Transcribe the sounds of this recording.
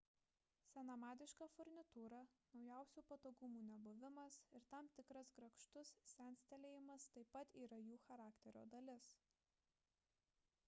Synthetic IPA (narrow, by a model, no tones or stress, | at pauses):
sʲɛnɐmɑːd̪ʲɪʃkɑfɔɾʲnʲɪt̪uːɾɑnɒʊjæˑʊsʲuːpɐt̪oːɡʊmuːnʲɛbʊʋʲɪmɐsɪɾt̪ɑmt̪ʲɪkɾɐsɡɾɐkʃt̪ʊssʲænʲsʲt̪ʲɛlʲeːjɪmɐst̪ɐɪpːɐt̪iːɾɐjuːxɐɾɑːkt̪ʲɛɾʲo̰ːd̪ɐlʲɪs